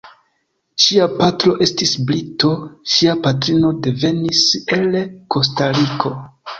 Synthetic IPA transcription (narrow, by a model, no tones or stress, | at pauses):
ʃiapatɾo̞ʔe̞stisblito̞ʃiapatɾino̞de̞ve̞nise̞lko̞s̬taɾiko̞